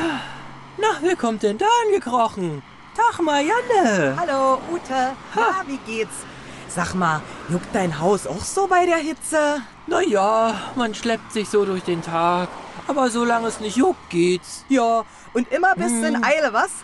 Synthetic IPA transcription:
a | naχviːkʰɔmt̚d̥ɛndaːanɡəkʁ̥ɔχn̩ | tʰaχmaːjanəhaloːʔuːtʰəhaviːɡeːts | z̥aːkmaːjʊkt̚d̥aɪnɦaʊsa̰ʊxz̥oːbaɪɾeːɐɦɪt͡sə | najaːmanʃlɛp̚tz̥ɪçz̥oːɾʊɐçd̥eːntʰaːkʔaːbɐzoːlaŋəɛsnɪçtjʊk̚t̚ɡ̥eːtjaː | ʔʊntʔɪmɐbɪsduɪnaɪləvas

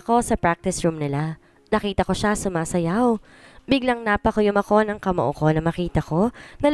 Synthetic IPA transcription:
ko̞sɐpɹak̚t̪ɪsɹumnɪla | nɐkiːt̪ɐko̞ʃasʊmaːsɐjaw | bɪɡlɐŋnaːpɐkojʊmɐko̞nɐŋkɐmɐʔoko̞nɐmɐkiːt̪ɐko̞nɐl

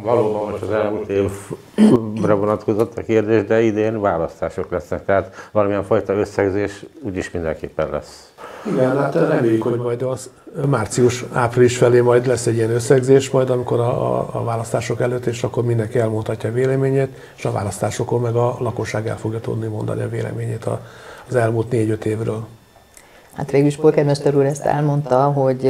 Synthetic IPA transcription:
vɒloːbɒmmoʃt̪ɒzɛlmult̪eːv | rɛvonɒt̪ko̞zo̞t̪ʰːɒkeːrd̪eːʒd̪ɛid̪eːnvaːlɒst̪aːʃoklɛsnɛk̚t̪ɛɦaːt̪ʋɒlɒmijɛɱfɒjt̪ɒøsːɛɡzeːʃuːɟiʃmind̪ɛ̰ŋkḛːpːɛnlɛ̰s | iɡɛnt̪ɛikoomɒjɒmaːrt̪siuʃaːpriliʃfɛleːmɒjd̪lɛsːɛɟːiɛnøsːɛɡzeːʃmɒjd̪ɒmiko̞ɾɒ̰vaːlɒst̪aːʃo̞kɛløːt̪ːeːʃɒkːormind̪ɛŋkiɛlmont̪hɒcːɒveːlɛmeːɲeːt̪ | eːʃɒva̰ːlɒst̪aːʃo̞kommɛɡɒlɒko̞ʃːaːɡɛ̰lfo̞ɡjɒt̪ṵd̪nimo̞nd̪ɒ̰niɒ̰veːlɛ̰meːɲeːt̪ɒ̰zɛlmuːlt̪neːɟø̞t̪eːvrøːl | ha̰t̪ʋeːɡyliʃpolkɛd̪mɛʃt̪ɛɾuːɾɛst̪ɛ̰lmo̞nt̪ɒɦoɟ

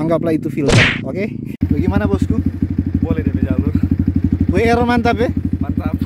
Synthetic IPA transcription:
aŋɡaplait̪ufilaokebaɡemanabɔskubolɛdemed͡ʒalʊrboeeɾomant̪apemat̪ap

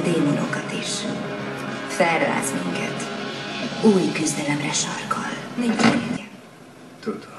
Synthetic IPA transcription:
d̪eːmono̞kɒt̪iːʃ | fɛrːa̰ːzmiŋkɛt̪ | uːjkyzd̪ɛlɛmrɛʃɒrkɒlnit͡ʃɛ | t̪ud̪o

